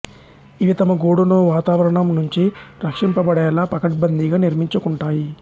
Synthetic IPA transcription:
iʋit̪ɐmɐɡoːɽunoːʋaːt̪aːʋɐɾɐɳɐmnuɲt͡ʃiɾɐkʂimpɐbɐɽɛːlaːpɐkɐʈ̚bɐnd̪iɡaːniɾmiɲt͡ʃukuɳʈaːji

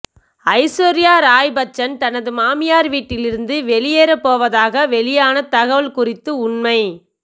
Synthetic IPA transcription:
ɐɪsoːɾɪjaːɾaːjbɐt͡ʃːɐnt̪ɐnɐðɯmaːmɪjaːɾʋiːʈːɪlɪɾɯnd̪ɯʋɛɭɪjeːɾɐpːoːʋɐðaːɣɐʋɛɭɪjaːnɐt̪ɐɣɐʋɐɭkʊrɪt̪ːɯʊɳmɐɪ

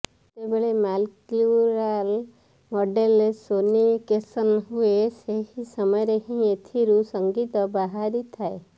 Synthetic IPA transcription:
t̪ebeɭemalkuɾal | mɔɖelesonikesənɦueseɦisəmɔjɾeɦĩet̪ʰiɾusəŋɡit̪ɔbaɦaɾit̪ʰae

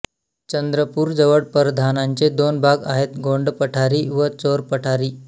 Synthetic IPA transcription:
t͡ɕənd̪ɾəpuːɾd͡zəʋəɽpəɾd̪ʱanaɲt͡ɕed̪onbʱaɡaɦet̪ɡoɳɖpəʈʰaɾiːʋət͡soɾpəʈʰaɾiː

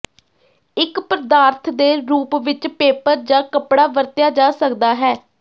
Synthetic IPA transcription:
ɪkpɾəd̪aːɾt̪ʰd̪eːɾuːpʋɪt͡ʃpeːpəɾd͡ʒãːkəpɽaːʋəɾt̪jaːd͡ʒaːsəkd̪aːɦɛː

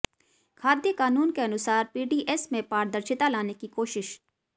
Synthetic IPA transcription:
kʰaːd̪jəkaːnuːnkeɐnʊsaːɾpiːɖiːʔɛsmẽpaːɾd̪əɾʃɪt̪alaːnekikoːʃɪʃ

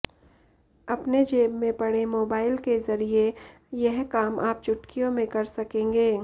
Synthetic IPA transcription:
ɐpned͡ʒeːbmẽpɐɽemoːbaːɪlkezɐɾie | jɛɦkaːmʔaːp̚t͡ʃʊʈkijõmẽkɐɾsɐkẽːŋɡeː

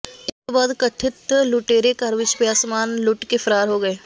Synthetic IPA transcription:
ɪskebaːd̪kɐʈʰɪt̪lʊʈeːɾekɐɾʋɪt͡ʃpeaːsmaːnlʊʈkepʰɐɾaːɾɦoɡɐeː

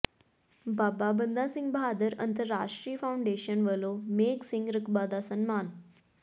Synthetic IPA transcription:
bababənd̪ʱasĩŋɡbʱad̪əɾə̰nt̪əɾːaʂʈɾiːfawɳɖeɕənʋəlomeksiŋɡɾəkbad̪asənmaːn

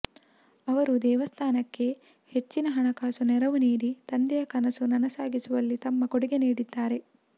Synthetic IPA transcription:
ɐʋɐɾud̪ɛːʋɐst̪ʰaːnɐkːe̞ | het͡ʃːinɐɦɐɳɐkaːsunɛɾɐʋuniːɾit̪ɐnd̪ɛjɐkɐnɐsunɐnɐsaːɡisuʋɐlːit̪ɐmːɐkoɽiɡe̞niːɽid̪ːaːɾe̞

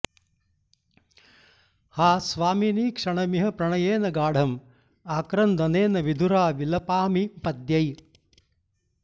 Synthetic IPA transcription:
haːsʋaːminiːkʂɐɳɐmiɦɐpɾɐɳɐjeːnɐɡaːɽ̤ʱɐm | aːkɾɐnd̪ɐneːnɐʋid̪ʱuɾaːʋilɐpaːmipɐd̪jɐj

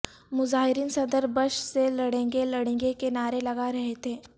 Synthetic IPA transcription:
muzaɦiɾiːnsənd̪əɾbəʂseləɽẽŋɡeləɽẽŋɡekenaɾeləɡaɾəɦet̪e

